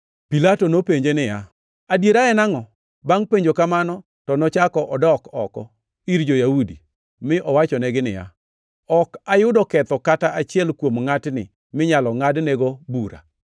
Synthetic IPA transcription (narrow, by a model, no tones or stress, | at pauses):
pilatonopeɲd͡ʒenɪja | adjeɾaɛnaŋɔ | baŋpeɲd͡ʒokamanɔ | tɔnɔt͡ʃakɔʔɔdɔkɔkɔ | iɾd͡ʒojaudi | mɪʔɔwat͡ʃɔnɛɡɪnɪ̰ja̰ | ɔkajʊdɔkɛt̪ɔkataʔat͡ʃɪɛlkwomŋatnɪ | mɪɲalɔŋadnɛɡobuɾa̰